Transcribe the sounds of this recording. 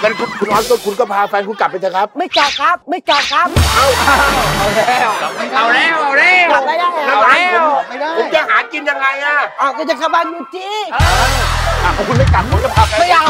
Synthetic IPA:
ka˧˩kʰu˧nkʰu˧nʔɔː˦˥nkʰɔ˧˥˩kʰu˧nkɔː˥˩pʰaː˧fɛː˧nkʰu˧nka˨˩p̚ːa˧t͡ɕʰa˨˩kʰa˦˥p̚ma˥˩jka˨˧˩wkʰa˦˥p̚ma˥˩jka˨˧˩w̚kʰa˦˥p̚aː˧˩˧a˧˩wlɛː˦˥wma˧˩na˨˧˩wlɛː˦˧˨wa˧˩wlɛː˧˩ka˨˩p̚la˧˩ja˧˩˧ka˧˩a˧nː˧˥˨wa˧˩jlaː˧˩o˨˦mt͡ɕa˨˧˩haː˨˦nki˧nja˧ŋːa˧jʔaː˧˩ʔaː˧˩kʰɔː˧˥˩t͡ɕa˨˩ka˧ba˧njuː˧˩t̪ʰiː˧˥aː˧aː˨˩kʰɔ˧kʰu˧nma˥˩jka˨˩p̚kʰu˧nkɔ˥˩pʰa˧˩a˧ma˥˩ja˧

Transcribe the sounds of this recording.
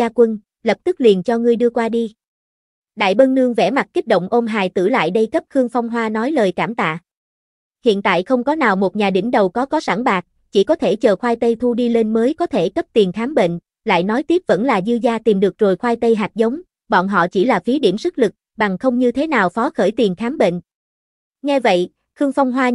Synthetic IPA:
aː˧kwə˧n | lə˨˩p̚t̪ɨ˦˥k̚li˨˩ənt͡ɕɔ˧ŋɨ˧əjɗɨ˧əkwaː˧ɗi˧ | ɗa̰ː˧˨jɓə˧nnɨ˧əŋvɛ˧˩ma˨˩t̚ki˦˥k̚ɗo̰˧˨wŋ͡mʔo˧mɦaː˨˩jt̪ɨ̰˧˩la̰ː˧˨jɗə˧jkə˦˥p̚xɨ˧əŋfa˧wŋ͡mɦwaː˧nɔ˨˦jləː˨˩jkaː˧˩mt̪a̰ː˧˨ | hḭ˧˨nt̪a̰ː˧˨jxə˧wŋ͡mkɔ˨˦naː˨˩wmo˨˩t̚ɲaː˨˩ɗḭ˧˩mɗə˨˩wkɔ˨˦kɔ˨˦sa˧˩ŋɓaː˨˩k̚ | t͡ɕi˧˩kɔ˨˦t̪ʰe˧˩t͡ɕəː˨˩xwaː˧jt̪ə˧jt̪ʰu˧ɗi˧le˧nməː˨˦jkɔ˨˦t̪ʰe˧˩kə˦˥p̚t̪i˨˩ənxaː˨˦mɓḛ˧˨n | la̰ː˧˨jnɔ˨˦jt̪i˦˥əp̚və̰˧˥nlaː˨˩zɨ˧zaː˧t̪i˨˩mɗɨ˨˩ək̚t͡ɕo˨˩jxwaː˧jt̪ə˧jɦa˨˩k̚zə˨˦wŋ͡m | ɓɔ̰˧˨nɦɔ̰˧˨t͡ɕi˧˩laː˨˩fi˨˦ɗi˧˩əmsɨ˦˥k̚lɨ˨˩k̚ | ɓa˨˩ŋxə˧wŋ͡mɲɨ˧t̪ʰe˨˦naː˨˩wfɔ˨˦xəː˧˩jt̪i˨˩ənxaː˨˦mɓḛ˧˨n | ŋɛ˧və̰˧˨j | xɨ˧əŋfa˧wŋ͡mɦwaː˧

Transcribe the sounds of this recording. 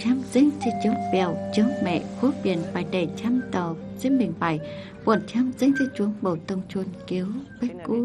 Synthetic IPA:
t͡ɕaː˧mzi˧˥ŋ̟t̪ʰi˧˥t͡ɕɨ˨˦əŋvi˧˩ə˨wt͡ɕɨ˨˦əŋmɛ̰˧˨xu˨˦ɓi˧˩ənɓaː˨˩jɗe˧˩t͡ɕaː˧mt̪ɔ˧˩z̥i˧˥ŋmi˨˩ŋ̟ɓa˧˩j | kwṵ˧˩ə˨nt͡ɕaː˧mzi˧˥ŋt̪ʰi˧˩t͡ɕu˨˦əŋɓo˧˩t̪ə˧wŋ͡mt͡ɕu˧nki˨˦əwɓe˦˥ku˧˦

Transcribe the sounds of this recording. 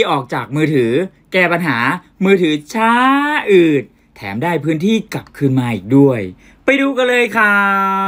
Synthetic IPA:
ʔɔː˨˩k̚t͡ɕaː˨˩k̚mɯː˧t̪ʰɯː˩˦ | kɛː˧˩pa˧nɦaː˩˦ | mɯː˧t̪ʰɯː˩˦t͡ɕʰaː˦˥ʔɯː˨˩t̪̚ʰːɛ̰ː˩˦mdaː˥˩jpʰɯː˦˥nt̪ʰiː˥˩kla˨˩p̚kʰɯː˧nmaː˧ʔḭː˨˩k̚du˥˩əj | pa˧jduː˧ka˧lɤː˧jkʰa˧˥˩

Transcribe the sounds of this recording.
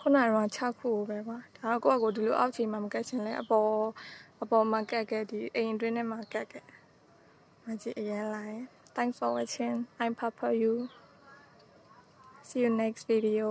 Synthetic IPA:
kʰo˦˨na˨ɾõ˨˦ŋa˨t͡ɕʰa˦˨kʰːṵ˦˨ɡo˨bɛ˦ba˨d̥a˨ɾɔ̃˦˨ko̰˦˨a˦˨ko˨di˨lo˨ʔa̰˦ʊʔt͡ɕʰẽ˨ma˨mə˨ka˦ʔt͡ɕʰɪ̃˨nlɛ˦ʔəpɔ˨ʔəpɔ˨ma˨ka˦ʔkɛ˦˨di˨ʔẽ˨ʔtwɪ̃˦nɪ̃˦˨ma˨ka˦ʔkʰɛ˨ | mə˨t͡ɕi˨ʔəjã˦lã˨ɛ̃˨t̪ʰɛ̃˦ŋksfɔ˨wa˨t͡ɕʰɪ̃˦˨nʔã˨ɪ̃pʰa˦pʰə˨ju˨ | si˦ju˨nɛ˦ksvi˨di˨o˨

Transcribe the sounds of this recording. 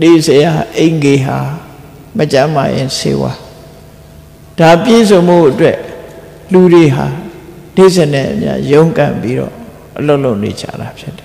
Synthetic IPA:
ne˨zə˨ja˨ʔẽ˨ɪ̃ŋɡe˨ɦa˨ | mət͡ɕã˦ma̰˨jɪ̰̃˨sḛ˦wa̰˦ | d̥a˨pje˦˨zõ˨ʊ̃mo˦˨ʔətwɛ˦ʔ | lu˨de˨ɦa˨ | ne˦˨zẽ˨nɛ̰˦˨ʔəmja̰˦jõ˦ʊ̃ŋkã̰˨mpi˦ɾɔ̰˦˨ | ʔəlo˦ʊʔlo˦˨ʔnḛ˨t͡ɕʰa̰˦˨ɾa˨pʰjɪ˦tːɛ̥˨

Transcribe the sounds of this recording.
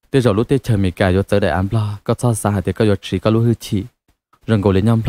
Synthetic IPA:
t̪i˧˦zɔ˨˩lu˦˥t̪i˧t͡ɕəː˨˩mḭ˨˩˨kaː˨˩jɔ˧˦t͡səː˧˦ɗa̰˨ʔaː˧npʰlɔ˧˩kɔ˧˦t͡sɔ˧saː˧˦ɦaː˨t̪i˧˦kɔ˧jɔ˧˩t͡ɕi˧˦kɔ˧˦lu˧˦hɨ˧t͡ɕʰḭ˧˩˨ | zə˨˩ŋko˨˩˨li˧˨˦ɲɔ˧mpʰ

